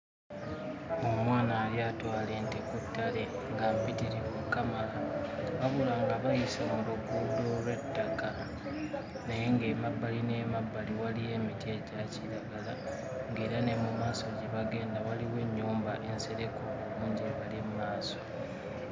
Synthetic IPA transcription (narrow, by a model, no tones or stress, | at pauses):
o̞mwaːnaːɾjaːtwaːle̞ntekutːale̞ŋɡampitiɾimukamalaβaβulaŋɡaβajisamuluɡuːlolwe̞tːaka | nejeŋɡe̞ːmabːaline̞ːmabːaliwalije̞ːmitie̞ɟaciɾaɡala | ŋɡe̞ːɾane̞mumaːso̞ɟe̞βaɡe̞ːndawaliweɲːuːmbaʔe̞nse̞ɾe̞ko̞oβuːɲɟieβalimumaːso̞